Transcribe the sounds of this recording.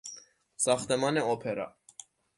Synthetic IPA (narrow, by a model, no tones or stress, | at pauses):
sɑχt̪ɛmɑnɛɔpʰɛɾɑ̰